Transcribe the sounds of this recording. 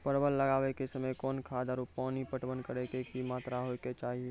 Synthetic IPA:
pəɾbəlːəɡaːʋekesəməjkɔːnkʰaːd̪aɾupaːnipəʈʋənkəɾekekimaːt̪ɾaɦojket͡ʃaːɦie

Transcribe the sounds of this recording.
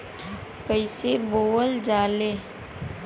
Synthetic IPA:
kəɪseboːəld͡ʒaːleː

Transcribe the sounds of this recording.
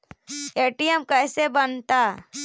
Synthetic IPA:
eːʈijəmkəːsebənt̪a

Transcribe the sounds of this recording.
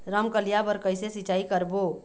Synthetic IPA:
ɾəmkəlijabəɾkəɪsesit͡ʃaikəɾbo

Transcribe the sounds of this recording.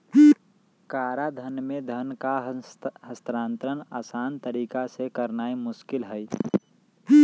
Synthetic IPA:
kaːɾad̪ʱənmẽd̪ʱənkaɦəst̪ɾaːnt̪ɾənaːsaːnt̪əɾiːkasekəɾnaːimʊʃkɪlɦəj

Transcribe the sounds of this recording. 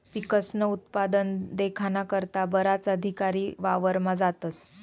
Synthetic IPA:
pikəsnəut̪̚pad̪ənd̪ekʰanakəɾt̪abəɾat͡səd̪ʱikaɾiːʋaʋəɾmad͡zat̪əs

